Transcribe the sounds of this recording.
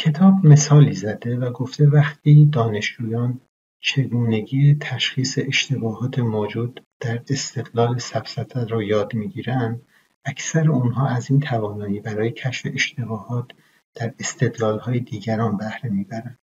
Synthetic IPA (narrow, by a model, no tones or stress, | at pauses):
cʰe̞t̪ʰɒːbme̞sɒːliːzæd̪e̞væɡo̞ft̪evæxt̪iːd̪ɒːne̞ʃd͡ʒuːjɒːn | t͡ʃʰe̞ɡuːne̞ɟiːjet̪ʰæʃχiːse̞ʔeʃt̪e̞bɒːɦɒːt̪ʰemoːd͡ʒuːd̪d̪̥æɾe̞st̪e̞d̪lɒːlesæfsæt̪ʰæɾɔːjɒːd̪miːɟiːɾænd̪ | ækʰsæɾeunɦɒːæziːnt̪ʰævɒːnɒːjiːbæɾɒːje̞cʰæʃfe̞̰ʔeʃt̪e̞bɒːhɒːt̪ʰ | d̪̥æɾe̞st̪e̞d̪lɒːlhɒːje̞d̪iːɟæɾɒːnbæhɾe̞miːbæɾænd̪̥